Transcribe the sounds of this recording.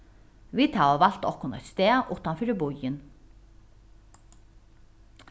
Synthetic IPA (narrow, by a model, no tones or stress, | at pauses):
vit̪havaval̥t̪ɔhkʊnɔ̰jt̪st̪ɛːʔʊht̪anfiːɾɪbʊjɪn